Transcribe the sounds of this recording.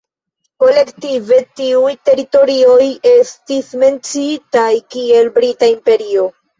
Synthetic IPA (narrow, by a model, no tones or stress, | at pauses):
ko̞le̞ktive̞tiujte̞ɾito̞ɾio̞je̞stisme̞nt͡siitajkie̞lbɾitaimpe̞ɾio̞